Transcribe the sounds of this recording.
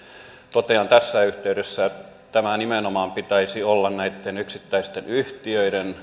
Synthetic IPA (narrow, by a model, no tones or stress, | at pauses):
t̪ot̪eɑnt̪æsːæyht̪eyɾesːæ | t̪æmænimenomɑːmpit̪æisiolːɑnnæit̪ːenyksit̪ːæist̪enyht̪iøiɾen